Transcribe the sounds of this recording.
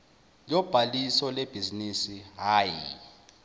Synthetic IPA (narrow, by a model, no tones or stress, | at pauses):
jɔb̥ʱalisɔleb̥ʱizinisiɦaːji